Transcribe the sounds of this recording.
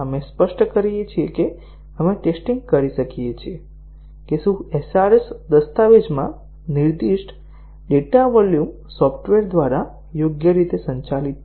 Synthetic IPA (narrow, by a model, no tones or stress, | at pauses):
əmespəʃʈkəɾijet͡ʃʰieke | əmeʈesʈiŋɡ̚kəɾiʃəkijet͡ʃʰie | keʃũesaɾesd̪əst̪aʋed͡ʒmã̰ | niɾd̪iʃʈ | ɖeʈaʋɔljum | sɔfʰʈʋeɾd̪ʋaɾa | joɡjəɾit̪esəɲt͡ʃalit̪̚